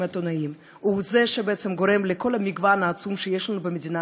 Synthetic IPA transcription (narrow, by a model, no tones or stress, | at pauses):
mat̪onaim | uzɛʃebeet͡ssemɡoɾemleko̞lamiɡvanaːt͡sumʃejeʃlanubemed̪ʲina